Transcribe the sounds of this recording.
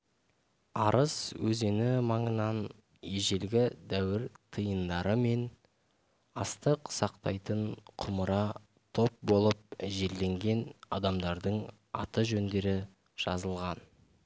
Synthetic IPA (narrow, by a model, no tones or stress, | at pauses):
ɑɾʔəswɵze̞nɪmɑɴənɑn | jeʒe̞lɡʲɪd̪æwɪɾt̪ʰəjənd̪ɑɾəme̞n | ɑst̪əqsɑqt̪ɑjt̪əɴqʰʊməɾɑ | t̪ʰo̞p̚bo̞lˠəp̚ʒe̞ld̪e̞ŋɡʲe̞nɑ̰d̪ɑmd̪ɑɾd̪əɴ | ɑ̰t̪əʒɵnd̪e̞ɾɪ | ʒ̥ɑzəlˠʁɑn